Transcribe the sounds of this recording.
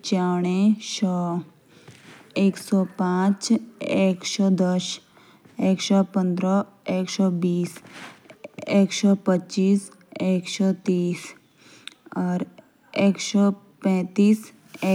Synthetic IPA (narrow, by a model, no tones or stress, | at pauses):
t͡ʃaːɽ̃ẽʃɔː | eːksɔpãːt͡ʃeːksɔːd̪əʃ | eːksɔpə̃nd̪ɾɔ | eːksɔbiːs | eːksɔːpətːt͡ʃiːs | eːksɔt̪iːs | ɔːɾ | eːksɔ | pɛ̃ːt̪iːs | e